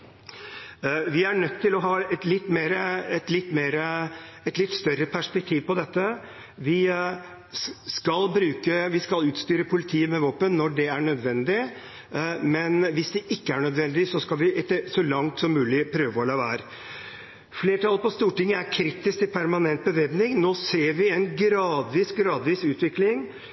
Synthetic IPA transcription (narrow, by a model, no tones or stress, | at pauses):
ʋɪæɳœt̪ʰːɪlɔɦɑːɛt̪lɪt̪ːmeːɾəɛt̪lɪt̪ːmeːɾəɛt̪lɪt̪ːst̪œɾəpʰæʂpɛk̚t̪ʰiːʋpɔd̪ɛt̪ːə | ʋɪ | skɑlbɾʉːkəʋɪskɑlʉːt̪st̪yːɾəpʰʊlɪt̪ʰiːəmɛʋoːpənːɔɖɛæɳœd̪ʋɛnd̪ɪ | mɛnʋɪsd̪ɛʔɪkːəæɳœd̪ʋɛnd̪ɪsɔskɑlʋɪʔɛt̪ːəsɔlɑŋt̪sɔmːʉːlɪpʰɾøːʋəɔlɑːʋæːɾə | fleːʈʰɑlpɔst̪uːʈɪŋːəæɾkʰɾiːt̪ɪskt̪ɪpʰæɾmɑnɛnt̪̚bəʋeːbnɪŋnoːseːɾʋɪɛnɡɾɑːd̪ʋiːsɡɾɑːd̪ʋiːsʉːt̪ʋɪklɪŋ